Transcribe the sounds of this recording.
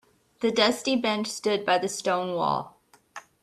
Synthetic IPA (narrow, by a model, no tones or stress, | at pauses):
ðɨdʌstibɛ̃nt͡ʃstʊd̚baɪðɨstõʊ̃nwɔ̰lˠ